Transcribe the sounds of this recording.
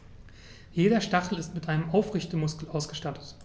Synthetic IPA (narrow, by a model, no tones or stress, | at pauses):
jeːɾɐʃtaχl̩ɪstmɪtʔaɪnəmʔaʊfʁɪçtəmʊskl̩aʊsɡ̥əʃtatʰə̥t